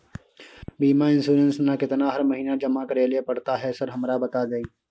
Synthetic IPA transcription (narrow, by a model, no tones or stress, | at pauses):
biːmaɪ̃nsuːɾənsnakɪt̪naɦɐɾmɐɦiːnad͡ʒɐmakəɾeːlepɐɽt̪aɦɛsɐɾɦɐmɾabɐt̪ad͡ʒaːiː